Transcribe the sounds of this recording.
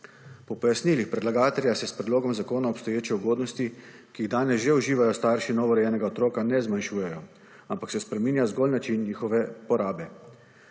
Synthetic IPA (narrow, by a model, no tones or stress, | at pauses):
pɔpɔjasniːlixpɾɛd̪laɡaːt̪ɛɾjasɛspɾɛd̪loːɡɔmzakoːnaɔpst̪ɔjeːt͡ʃɛuɡoːd̪nɔst̪i | kiːɣd̪aːnɛsʒeuʒiːʋajɔst̪aɾʃinɔːʋɔɾɛjɛːnɛɡaɔt̪ɾoːkanɛzmanʃuːjɛjɔ | ampaksɛspɾɛmiːnjazɡolnat͡ʃinːiːxɔʋɛpɔɾaːbɛ